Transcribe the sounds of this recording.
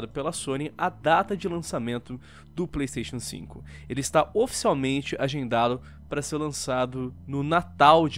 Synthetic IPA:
d̪ʊpelɐsõnɪɐd̪at̪ɐd͡ʒɪlɐ̃samẽnt̪ʊ | d̪ʊplejst̪ejʃõsḭ̃kʊ | elɪst̪aofi̥siawmẽnt͡ʃɪʔaʒẽnd̪ad̪ʊ | paɾɐseɾlɐ̃sad̪ʊnʊnat̪awd͡ʒ

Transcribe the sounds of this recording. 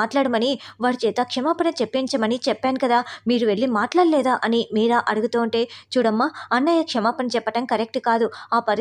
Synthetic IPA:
aːʈlaːɽɐmɐniʋaːɾit͡ʃɛːt̪ɐkʂɐmaːpɐnɐt͡ʃepːiɲt͡ʃɐmɐnit͡ʃɛpːaːnikɐd̪aːmiːɾuʋe̞ɭːimaːʈlaːɽlɛːd̪aːʔɐnimiːɾaʔɐɽuɡut̪uːuɳʈe̞ːt͡ʃuːɽɐmːaːɐnːɐjɐkʂɐmaːpɐnɐt͡ʃɛpːɐʈɐmkɐɾek̚ʈkaːd̪uaːpɐɾ

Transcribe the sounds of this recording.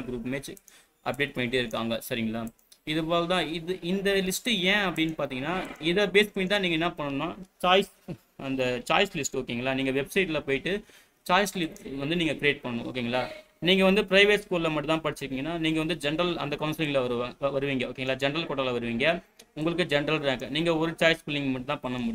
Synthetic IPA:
ɡɾuːpmeːt͡ʃː | ʔɐp̚ɖeːʈ̚pɐɳːɪʈ̬ːɯːɪɾɯkːaːŋɡɐsɐɾɪŋɡɐɭaː | ɪðɯpaːlt̪ãːɪðɯʔɪnd̪ɐlɪsʈẽːɐpːɐɽɪnːɯpaːɾt̪iːŋɡɐnːaːɪðɐbeːspɐɳɪt̪ãːniːŋɡɐɪnːaːpɐɳːɐnːaːt͡ʃaːɪs | ɐnd̪ɐt͡ʃaːjslɪsʈoːkːiːŋɡɐɭaːniːŋɡɐʋɛbsɐɪʈlɐpoːjɪʈːɯ | t͡ʃaːjslɪsʈʋɐnd̪ɯniːŋɡɐkɪɾieːʈ̚pɐɳːɐnʊ̃o̰ːk̬ːeiːŋɐlaː | niːŋɡɐʋɐnd̪ɯpɪɾɐɪʋeːʈskuːllɐmɐʈ̬ːɯt̪ãːpɐɽɪt͡ʃːɪɾɯkːiːŋɡɐnːaːniːŋɡɐʋɐnd̪ɯd͡ʒɛnɾɐlɐ̰nd̪ɐkɐʊnsɪlɪŋɡlɐʋɐɾɯʋɐɾɯʋiːŋɡɐoːkːeːŋɡɐlaːd͡ʒɛnɐɾɐlkoːʈːɐlɐʋɐɾɯʋiːŋɡɐʊŋɡɐɭɯkːɯd͡ʒɛnɐɾɐlɾeːkɐ̃niːŋɡɐɔɾɯt͡ʃaːjspɪlːɪŋɡmɐʈːɯt̪ãːpɐɳːɐmʊɽɪj̃

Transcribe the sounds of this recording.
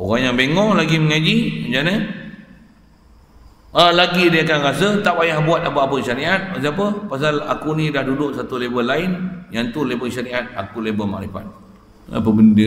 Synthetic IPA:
oɣaŋjaŋbeŋɔ̃ŋlaɡiməŋad͡ʒiəd͡ʒanə | əlaɡidiakanɾasət̪aʔbajahbuat̪̚apəapəʃaɾiʔat̪̚pas̬ap̬əpasala̰kunidahdudʊʔsat̪ulebəlaɪnjaŋt̪ulebəʃaɾiʔat̪̚a̰kulebəma̰ʔɾifa̰t̪̚ | ə̰pəbəndi

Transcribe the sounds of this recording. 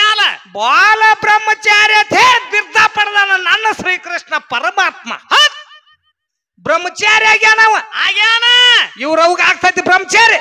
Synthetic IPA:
aːlɐbaːlɐbɾɐmːɐt͡ʃaːɾjɐt̪ʰeʋiɾd̪ʱaːpɐɽd̪aːnɐnanːɐsɾiːkɾiʂɳɐpɐɾɐmaːt̪ma̰hɐ | bɾɐmːɐt͡ʃaːɾjaːɡʲjaːnaʋɐa̰ːɡjaːnajiʋɾɐʋkaːɡt̪ʰat̪ibɾɐmːɐt͡ʃaːɾjɐ

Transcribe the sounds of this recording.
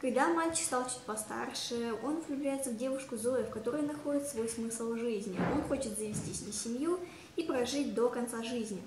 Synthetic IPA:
kɐɡd̪amalʲt͡ɕɪ̥ksalˠt͡ɕɪ̥t̪̚ʲpɐst̪a̰rʂɨəo̞nʊvʲlʲʉblʲæjɪt̪səvdʲe̞vʊʂkʊzo̞ɪfkɐt̪o̞ɾɨjʊnɐxo̞dʲɪt̪svo̞jsmɨslˠʐɨzʲnʲɪo̞nxo̞t͡ɕɪt̪zəvʲɪsʲtʲisʲmʲisʲɪmju | ipɾɐʐɨt̚ʲd̪o̞kɐnt̪saʐɨzʲnʲɪ

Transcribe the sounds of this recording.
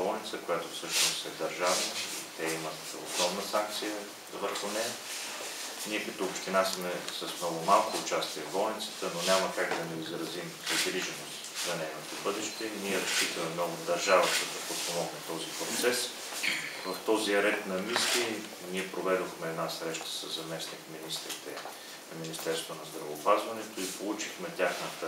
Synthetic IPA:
ɔlnit̪səkojat̪ʊfsɤʃnʊsɛd̪ɐɾʒaviit̪ɛimət̪ | ʊ̰snɔmnəsaŋk̚t̪sijə | vəɾxʊnɛj | niɛkɐt̪oːpʃt̪inasmɛsəsmnɔɡʊmalˠkoːt͡ʃast̪iɛvɔlnit̪sə̥t̪ənonʲaməkaɡd̪ɐnɛizɾɐzimzɐɡɾiʒənost̪zɐnɛjnot̪obɤd̪ɛʃt̪ɛiniɛɾɐʃt͡ʃit̪əmɛnɔvʊd̪ɐɾʒavət̪əd̪ɐpɾot̪pomɔɡnət̪ɔzipɾot̪sɛs | vəft̪ɔziɐɾɛt̪nɐmisli | niɛpɾovɛd̪oxmɛːd̪nasɾɛʃt̪ə̥səzːɐmɛsnikminist̪ɾit̪ɛ | nɐminist̪ɛɾst̪vonɐzd̪ɾɐvəːpazvɐnɛt̪oipolˠut͡ʃixmɛt̪ʲaxnət̪ə

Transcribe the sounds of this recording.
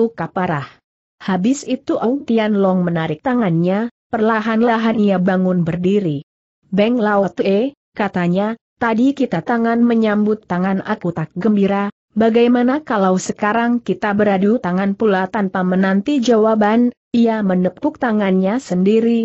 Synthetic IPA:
ukapaɾah | habɪsit̪uʔɔŋnt̪ianlɔŋmənaɾɪk̚t̪aŋanɲapərlaɦanlaɦaniabaŋʊnbərdiɾi | bɛŋlaɔt̪uɛ | kat̪aɲa | t̪adikit̪at̪aŋanməɲambʊt̪ːaŋanakut̪ak̚ɡəmbiɾa | baɡajmanakalawsəkaɾaŋkit̪abəɾadut̪aŋanpulat̪anpamənant̪id͡ʒawaban | iamənəkpʊk̚t̪aŋanɲasəndiɾi

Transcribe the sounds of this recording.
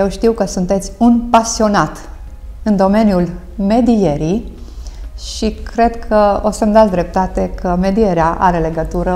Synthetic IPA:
jewʃt̪iwkəsunt̪e̞t̪sʲunpasio̞nat̪ | ɨnd̪o̞me̞njul | me̞d̪ije̞ɾi | ʃikɾe̞d̪kʰəo̞səmd̪at̪d̪ɾe̞p̚t̪at̪e̞kʰəme̞d̪ije̞ɾeaʔa̰ɾe̞le̞ɡət̪uɾə

